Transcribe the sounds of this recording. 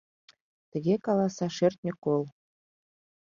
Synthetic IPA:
t̪ə̆ɣʲekɑlˠɑsɑʃert̪̚nʲəkolˠ

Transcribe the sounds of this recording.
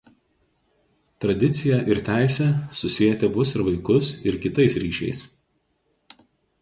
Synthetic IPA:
t̪ɾɐd̪ʲɪt̪sʲɪjɛʔɪɾt̪ʲæˑɪsʲɛsʊsʲɪjɛt̪ʲɛʋʊsɪɾʋɐɪkʊsɪɾkʲɪt̪ɐɪsɾʲiːʃʲɛ̰ɪs

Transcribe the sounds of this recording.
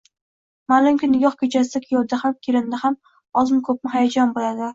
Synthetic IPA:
malˠʊmkʲɪnɪɡʲɒχkʲʰet͡ʃʰasɪd̪akʲʰɪjɒld̪ahamkʲʰeɾɪnd̪aham | ɒzɪmkʰɵp̚mɪɦajad͡ʒɒnbolad̪ɪ

